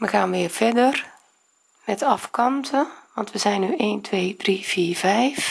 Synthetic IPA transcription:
ʋəxaːnʋɪːərfɛdər | nɛtɑfkɔntʰəʋɑntʋəzɛjnːyeːntʰʋeːdrifiːrvɛjf

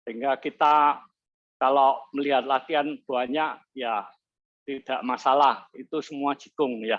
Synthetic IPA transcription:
səɦiŋɡakit̪a | kaloməliɦat̪̚lat̪ianb̥uaɲaʔ | ja | t̪id̥aʔmasalahit̪usəmuḁd͡ʒ̥i̤̥kʊŋja

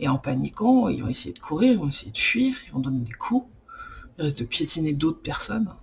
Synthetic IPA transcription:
eɑ̃panikɑ̃ḭlzɔ̰̃esejed̪əkʰuʁiʁizɔ̃esejed̪əfɥiʁivɔ̃d̪ɔned̪ekʰu | ilʁis̬t̚d̪əpjet̪ʰined̪ot̪χpɛʁsɔn

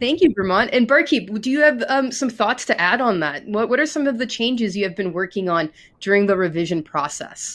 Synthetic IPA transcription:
θæ̃ŋkjɨvɨɹmɑnɨ̃nbɜ˞kʰidɨjɨːv̥ʌ̃msʌ̃mθɔtstʰɨʔæɾn̩ðæt̚wʌʔ̚wʌɾə˞sʌ̃mʌvðɨt͡ʃʰẽɪ̃nd͡ʒɨzjɨːvbɨ̃nwɜ˞kɪ̃ŋə̃n | dʊɹɪ̃ŋðəɹɨvɪʒɨ̃npʰɹ̥ɔsɛ̰s

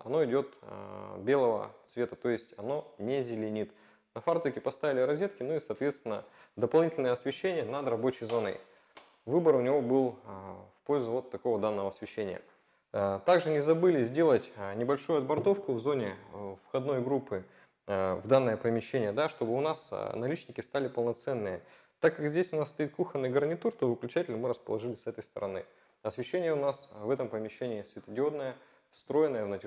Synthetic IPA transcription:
ɐ̰no̞ɪdʲo̞t̪bʲe̞lˠəvə̰t̪svʲe̞t̪ət̪o̞jɪsʲtʲɐno̞nʲezʲɪlʲɪnʲit̪ | nɐfart̪oɪkʲɪpɐst̪avʲɪlʲɪɾɐzʲet̪kʲɪnʊisɐːt̪vʲe̞t̪st̪ʲɪnːə | d̪əpɐlˠnʲitʲɪlʲnəjəɐsvʲɪɕːenʲɪjənad̪rɐbo̞t͡ɕɪjzvɐnɨ̰j | vɨbəɾʊnʲɪvo̞bɨlˠfpo̞lʲzʊvo̞t̪ːɐko̞vəd̪anːəvəɐsvʲɪɕːenʲɪ̰jə̰ | t̪aɡʐɨnʲɪzɐbɨlʲɪzʲdʲe̞lˠətʲnʲɪbɐlʲʂujʊɐd̪bɐrt̪o̞fkʊvzo̞nʲɪfxɐd̪no̞jɡɾupːɨ | vd̪anːəjəpəmʲɪɕːenʲɪjəd̪aʂt̪o̞bɨʊnasnɐlʲit͡ɕnʲɪkʲɪst̪alʲɪpəlˠnɐt̪sɛnːɨjə | t̪akːɐkzʲdʲesʲʊnasst̪ɐit̪̚kuxənːɨjɡərnʲɪt̪urt̪ovɨklʲʉt͡ɕætʲɪlʲnəmɨɾəspəlˠɐʐɨlʲɪsɛt̪əjst̪ə̰ɾʔɐnɨ̰ | ɐsvʲɪɕːenʲɪjəʊnasvɛt̪əmpəmʲɪɕːenʲɪːsvʲɪt̪ɨdʲɪo̞d̪nəjə | fst̪ɾo̞jɪnəjəvnətʲɪ

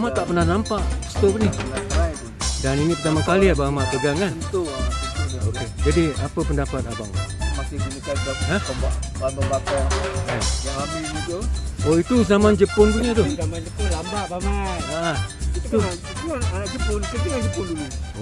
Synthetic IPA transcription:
maʔt̪aʔpənahnampaʔst̪obənilaɾajt̪udaninipərt̪amakaliabamaʔpəɡaŋant̪uaoked͡ʒadiapəpəndapat̪̚aba̰ŋmat̪ibinikaaɦaambaʔbababakaajaɦamiid͡ʒooit̪uzamand͡ʒəpʊnd̪uɲat̪̬ʊamad͡ʒət̪ulambaʔbamaaait̪u | uʔanaʔd͡ʒəpʊnkədiad͡ʒəpʊnduluo

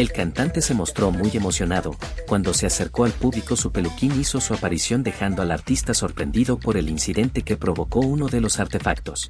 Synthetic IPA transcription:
e̞lkant̪ant̪e̞se̞mo̞st̪ɾo̞muje̞mo̞sjo̞naðo | kwand̪o̞se̞ase̞ɾko̞alpuβliko̞supe̞lukiniso̞suapaɾisjo̞nd̪e̞xand̪o̞alaɾt̪ist̪aso̞ɾpɾe̞̰nd̪iðo̞po̞ɾe̞linsiðe̞nt̪e̞ke̞pɾo̞βo̞ko̞uno̞ðe̞lo̞saɾt̪e̞fak̚t̪o̞s

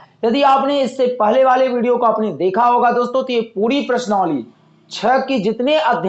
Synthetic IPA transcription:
jɐd̪iaːpneɪsːepɛɦleʋaːleʋiːɽijokoəpned̪eːkʰaɦoːɡad̪oːst̪õt̪ojepuːɾipɾɐʃnɔ̃ːlḭː | t͡ʃʰɛkid͡ʒɪt̪neʔɐd̪ʱj

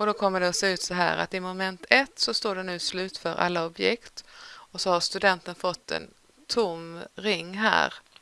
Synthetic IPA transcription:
ɔd̪ɔkʰɔmːəɖɛɔseːʉ̟ːt̪sɔɦæ̰ːɾa̰t̪ɪmɔmɛnt̪ʰɛt̪ːsɔst̪oːɖɛnʉ̟ːslʉ̟ːt̪fœɾʔa̰lːaɔbjɛ̰kt̪ɔsɔhaʂt̪ɵd̪ɛnt̪ənfɔt̪ʰːɛ̰n | t̪ʰʊmɾɪŋːɦæ̰ːɾ

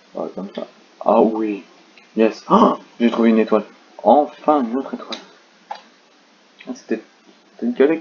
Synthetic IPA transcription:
a̰kɔmsa̰ | a̰wi | jɛsʒet̪χuveynet̪wal | ɑ̃fɛ̃not̪χet̪wal | ase̥t̪ɛ | e̥t̪ɛynkʲalɛ

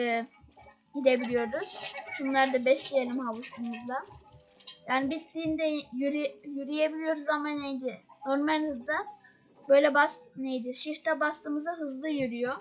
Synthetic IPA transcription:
ɟid̪e̞bilʲijo̞ɾduz̥ʃunlˠaɾd̪abɛslʲijelʲimhaβusumuzlˠa | jaːnibit̪lʲiːnd̪ɛjyɾjyɾijebilʲijo̞ɾuzamanːejd̪ɪno̞ɾmalʲhɯzd̪ˠɯ | bø̞jlʲɛbasnejd̪ɪʃiɾt̪ʰabast̪ɯːmɯzaɦɯzlˠɯjyɾyjo

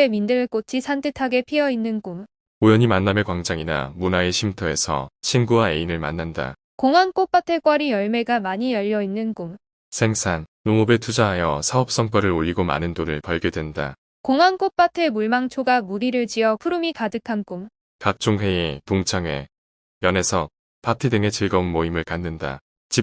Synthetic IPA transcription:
emindɯk͈ot͡ɕʰisʰantʰɯtʰaɡe̞pʰiʌinːɯnkum | ojʌɲimanːamekwaŋd͡ʑaŋina̰munaeɕʰimtʰʌe̞sʰʌ̰ɕʰinɡuwae̞inɯɭma̰nːanda̰ | koŋɦank͈op͈atʰe̞k͈wʌɾijʌɭme̞ɡamaɲijʌʎːʌinːɯnkum | sʰe̞ŋsʰannomʌbe̞tʰud͡ʑaɦajʌsʰaʌp̚s͈ʌŋk͈ʌɾɯɾoʎːiɡoma̰nɯndoɾɯɭpʌɭɡjodwe̞nda̰ | koŋank͈op͈atʰe̞muɭmaŋt͡ɕʰoɡamuɾiɾɯɭt͡ɕiʌpʰuɾumikadɯkʰankum | kak̚t͡ɕ͈oŋɦe̞ipuŋt͡ɕʰaŋe̞̰ | jʌne̞sʰʌ | patʰidɯŋe̞t͡ɕɯɭɡʌunmoimɯɭkanːɯnda̰ | t͡ɕip̚

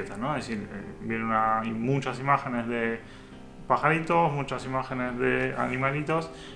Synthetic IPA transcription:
et̪anoeðesiɾḛbjenunaimut͡ʃasimaxenezðe | paxaɾit̪osmut͡ʃasimaxenezðea̰nimalit̪os

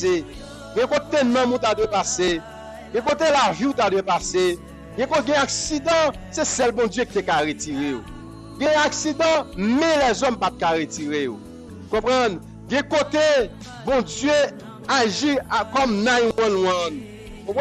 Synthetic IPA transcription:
e | ɡɛ̃kot̪enɔ̃mut̪ad̪wepase | ɡɛ̃kot̪̬elaviut̪̬ad̪wepase | ɡɛ̃koɡɛ̃aksid̪ãsɛsɛlbɔ̃djek̚it̪ekaɣetiʁejo̰ | ɡɛ̃aksid̪ãmɛ̃lɛzɔmpat̪̚kaɣetiʁejo | ukɔ̃pʁãn | ɡɛ̃kot̪e | bɔ̃d͡zje | aʒikɔmnãjwɔ̃nwɔ̃n | kɔ̃p

